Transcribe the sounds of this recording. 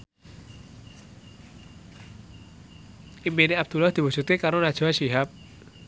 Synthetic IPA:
imineab̚d̪̥ulahd̪̥i̤wusut̪ikaɾonad̥ʒ̥asiɦap̚

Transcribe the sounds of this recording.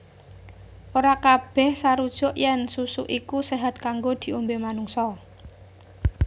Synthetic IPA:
ʔoɾakab̥ɛ̤hsaɾud̥ʒ̥ɔ̤ʔjɛnsusuʔikuseɦat̪̚kaŋɡod̪̥i̤umbemanuŋsɔ

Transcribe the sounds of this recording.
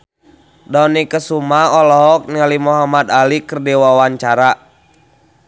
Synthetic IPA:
dɔnikəsumaɔlɔɦɔk̚nialimuɦamad̪alikərdiwawaɲt͡ʃaɾa

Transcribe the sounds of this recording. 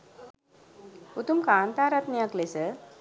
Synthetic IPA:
ut̪umkaːnt̪aːɾɐt̪nijɐklesə

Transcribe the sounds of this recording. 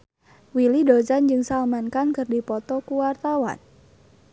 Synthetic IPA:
wilidod͡ʒand͡ʒɨŋsalmankankɨrdipɔt̪ɔkuwart̪awa̰n

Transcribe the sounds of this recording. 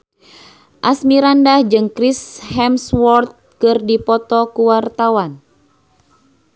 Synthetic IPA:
ʔasmiɾandahd͡ʒɨŋkɾishɛmswɔrt̪̚kɨrdipɔt̪ɔkuwart̪awan

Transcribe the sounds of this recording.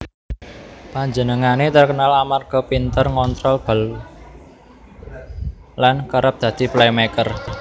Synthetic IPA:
paɲd͡ʒənəŋanet̪ərkənalamarɡ̥ɔ̤pint̪ərŋɔnt̪ɾɔlb̥a̤l | lankaɾəp̚d̪̥ä̤d̪̥i̤plemɛkər

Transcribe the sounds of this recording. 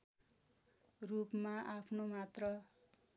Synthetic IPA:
rupmaʔapʰnomat̪rʌ

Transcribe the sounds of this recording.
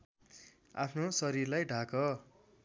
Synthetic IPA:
a̰pʰnosʌɾiɾlajɖʱakʌ

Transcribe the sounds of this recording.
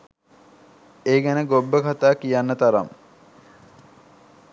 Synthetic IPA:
eːɡænəɡobːəkat̪aːkijanːət̪aɾa̰m

